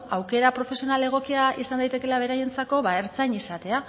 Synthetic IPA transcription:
awke̞ɾapɾo̞fe̞sio̞nale̞ɣ̞o̞kiaʔisand̪ajt̪e̞ke̞laβ̞e̞ɾaje̞nt͡sako̞βae̞ɾt͡sajɲisat̪e̞a

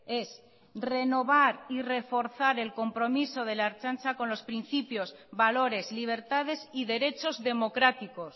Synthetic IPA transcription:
e̞s | re̞no̞β̞aɾire̞fo̞ɾθaɾe̞lko̞mpɾomisoð̞elaɾt͡ʃansakõ̞nlo̞spɾin̟θipjozβaloɾe̞zliβ̞e̞ɾt̪að̞e̞siðe̞ɾe̞t͡ʃo̞zðe̞mo̞kɾat̪ikos

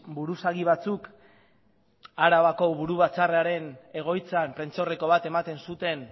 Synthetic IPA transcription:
buɾusaɣiβ̞at͡suk | aɾaβako̞βuɾuβat͡sareaɾe̞ne̞ɣ̞o̞jt͡sampɾe̞nt͡so̞re̞ko̞β̞at̪e̞mat̪e̞nsut̪e̞n

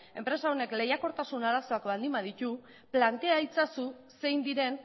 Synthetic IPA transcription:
e̞mpɾe̞sao̞ne̞kle̞jako̞ɾt̪asunaɾaso̞akβald̪imbað̞it̪u | plant̪e̞ait͡sasu | se̞jnd̪iɾe̞n

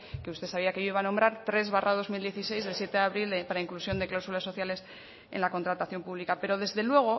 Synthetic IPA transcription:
keust̪e̞saβiakeoiβano̞mbɾaɾt̪ɾe̞zβarað̞o̞zmild̪je̞θise̞jzðe̞lsje̞t̪eðeaβɾild̪epaɾaiŋklusjo̞nd̪eklawsulasːo̞θjale̞s | ḛnlako̞nt̪ɾat̪aθjo̞mpuβlikape̞ɾo̞ð̞e̞zðe̞lwe̞ɣ̞o̞

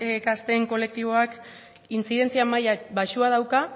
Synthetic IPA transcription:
ekast̪e̞ŋko̞le̞k̚t̪iβ̞o̞ak | int͡siðe̞nt͡siamajabaʃuað̞awka

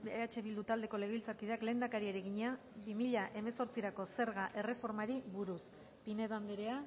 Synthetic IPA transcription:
beat͡ʃe̞βild̪ut̪ald̪e̞ko̞le̞ɣe̞ilt͡saɾkiðeakle̞ːnd̪akaɾieɾeɣiɲea | bimiʎaʔe̞me̞so̞ɾt͡siɾako̞se̞ɾɣaʔe̞re̞fo̞ɾmaɾiβuɾus | pine̞ðand̪eɾea

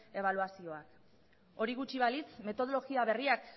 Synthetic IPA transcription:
e̞β̞aluasio̞ak | o̞ɾiɣut͡ʃiβalit͡sme̞t̪o̞ð̞o̞lo̞ɣiaβe̞riak

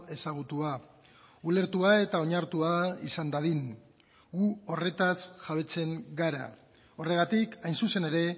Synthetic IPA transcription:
e̞saɣ̞ut̪ua | ule̞ɾt̪uae̞t̪ao̞ɲaɾt̪uaḭsand̪aðiŋ | ɡuo̞re̞t̪asʝaβ̞e̞t͡se̞ŋɡaɾa̰ | o̞re̞ɣ̞at̪ikajnsuse̞ne̞ɾe̞

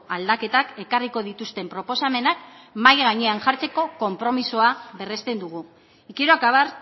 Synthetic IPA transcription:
ald̪ake̞t̪ake̞kariko̞ðit̪ust̪e̞mpɾo̞po̞same̞nakmajɣaɲeanʝaɾt͡se̞ko̞ko̞mpɾo̞misoaβe̞re̞st̪e̞nd̪uɣ̞u | ikiɾoakaβaɾ

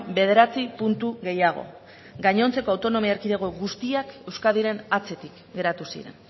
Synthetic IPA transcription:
be̞ðe̞ɾat͡sipunt̪uɣe̞jaɣ̞o̞̰ | ɡaɲo̞nt͡se̞ko̞awt̪o̞no̞miaeɾkiðeɣo̞ɣust̪iake̞wskaðiɾe̞nat͡se̞t̪ik | ɡe̞ɾat̪usḭɾe̞̰n

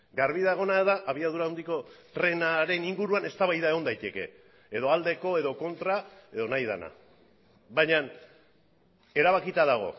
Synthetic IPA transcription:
ɡaɾβiðaɣ̞o̞naeðaʔaβiaðuɾawnd̪iko̞t̪ɾe̞naɾe̞niŋɡuɾuane̞st̪aβajðaeɣ̞o̞nd̪ajt̪e̞ke̞̰ː | ðo̞ald̪e̞ko̞e̞ðo̞ko̞nt̪ɾae̞ðo̞najðana̰ | βaɲan | e̞ɾaβakit̪aðaɣ̞o̞̰

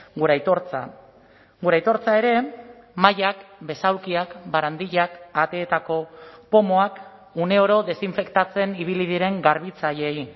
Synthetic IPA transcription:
ɡuɾajt̪oɾt͡sa̰ | ɡuɾajt̪o̞ɾt͡sae̞ɾe̞maʎakbe̞sawkiakbaɾand̪iʎakat̪e̞ːt̪ako̞po̞moak | une̞o̞ɾo̞ðe̞siɱfe̞kt̪at͡se̞niβ̞ilið̞iɾe̞ŋɡaɾβ̞it͡saʎe̞j

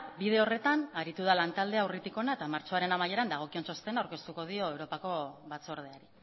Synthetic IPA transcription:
bið̞e̞ore̞t̪anaɾit̪uð̞alant̪ald̪e̞awrit̪iko̞naet̪amaɾt͡so̞aɾe̞namaje̞ɾand̪aɣ̞o̞kie̞nso̞st̪e̞nawɾke̞st̪uko̞ð̞io̞ewɾo̞pako̞βat͡so̞ɾð̞eaɾi

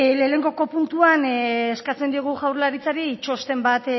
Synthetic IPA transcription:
le̞ne̞ŋɡo̞ko̞punt̪uaneskat͡se̞nd̪ioɣ̞uʝawɾlaɾit͡saɾiːt͡ʃo̞st̪e̞mbat̪

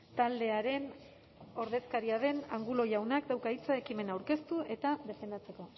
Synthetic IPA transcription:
t̪ald̪e̞aɾe̞n | o̞ɾðe̞skaɾiaðe̞naŋɡulo̞ʝawnakd̪awkait͡sae̞kime̞nawɾke̞st̪ue̞t̪aðe̞fe̞nd̪at͡se̞ko̞

